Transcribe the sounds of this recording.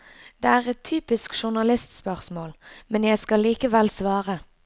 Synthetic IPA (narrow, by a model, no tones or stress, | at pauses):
d̪̥eːæːʁɛt̪ʰyːpɪskʃʊʁnɑlɪst̪spœʁsmoːlmɛnjæɪskɑlːiːkəʋɛlsʋɑːʁə